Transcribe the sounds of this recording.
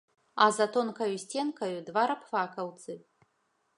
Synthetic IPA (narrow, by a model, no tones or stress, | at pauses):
azatʰonkʰɐjusʲtʲenkʰɐjud̪vaɾapʰfakʰɐwt͡sʼɨ